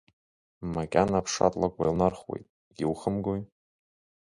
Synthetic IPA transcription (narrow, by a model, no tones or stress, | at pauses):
makʲʼanapʰʂa̰tʼlakʷʼwajlnarχwḛjtʼ | ɡʲiwχəmɡoj